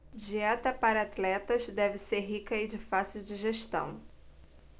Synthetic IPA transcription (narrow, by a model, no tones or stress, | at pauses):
d͡ʒiɛt̪ɐpaɾɐat̪lɛt̪ɐzd̪ɛvɪseɾɦikɐɪd͡ʒɪfasiwd͡ʒɪʒeʃt̪ɐ̰̃w̃